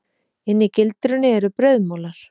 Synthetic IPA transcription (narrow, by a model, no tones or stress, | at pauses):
ɪnːɪcɪlt̪ɾʏnːɪɛɾʏpɾœɥðmoːwlaɾ̥